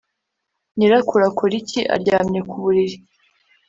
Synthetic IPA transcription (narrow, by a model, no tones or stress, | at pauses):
niɾakuɾakʰoɾiciʔa̰ɾɟaːmɲe̞kuβuɾiɾi